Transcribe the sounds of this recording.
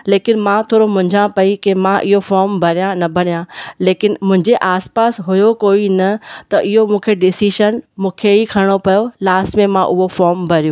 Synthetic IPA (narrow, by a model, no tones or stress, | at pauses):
leːkɪnmãt̪ʰoːɾomʊ̃ɦɪ̃ɲd͡ʑãpɐikemãʔɪɦofɔːɾmbʱɐɾijãnɐbʱɐɽijãleːkɪnmʊ̃ɦɪ̃ɲd͡ʑeʔaːspaːsɦʊjokoːinɐt̪ɐʔɪɦomũːkʰeɖɪsiːʃənmũːkʰeikʰɐɪɽ̃opɐjolaːsʈmẽmãʔʊɦofɔːɾmbʱɐɾijũː